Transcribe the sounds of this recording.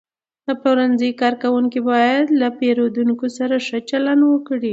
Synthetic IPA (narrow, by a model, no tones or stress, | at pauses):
d̪̥əpoɾanzəjkɑɾkawuŋkibɑjad̪lapeɾod̪uŋkosaɾaʂət͡ʃalanwəkɽi